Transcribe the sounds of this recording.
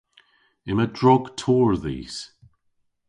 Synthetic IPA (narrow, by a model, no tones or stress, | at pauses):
ɪmədɹɔɡ̥tʰɔːɹðḭːs